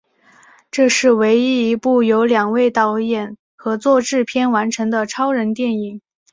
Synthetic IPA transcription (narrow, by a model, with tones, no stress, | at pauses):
ʈ͡ʂɤ˥˧ʂɻ̩˥˩we˧˥ɪi˥i˧˥pu˥˩jo˧˥ʊljɑ˨˩ŋwe˥˩ɪt̪ɑ˥˧ʊjɛ˥˩n | xɤ˧˥t͡swɔ˥˧ʈ͡ʂɻ̩˥˩pʰjɛ˥˩nwa˧˥nʈ͡ʂʰɤ˧˥ŋd̪ə˧ʈ͡ʂʰɑ˥ʊɻə˧˥nt̪jɛ˥˩ni˨˩˦ŋ